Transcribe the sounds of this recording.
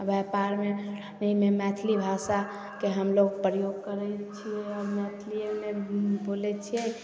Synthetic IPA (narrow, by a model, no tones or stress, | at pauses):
əbɛpaɾme | nəmemɛt̪ʰlibʱasa | keɦəmloɡpɾəjoɡkəɾɛt͡ʃʰiɛɔɾmɛt̪ʰliemebolɛt͡ʃʰijɛ